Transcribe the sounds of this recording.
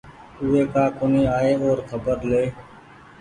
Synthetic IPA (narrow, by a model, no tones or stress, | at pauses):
uːeːkaːkʊniːaːeːoːɾkʰəbəɾleː